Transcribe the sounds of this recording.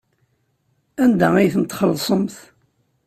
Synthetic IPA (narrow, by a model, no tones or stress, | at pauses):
ænd̪æijθənt̪χəlːsˤəmθ